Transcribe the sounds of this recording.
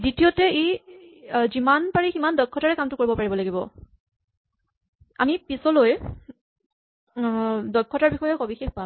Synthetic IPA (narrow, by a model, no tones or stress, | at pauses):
dɹitijɔtɛe | zimanpaɹiximandɔkʰːɔtaɹɛkamtʊkoɹibɔpaɹibɔlaɡibɔ̰ | a̰mipisɔloj | dɔkʰːɔtaɹbixɔjɔxobixexpam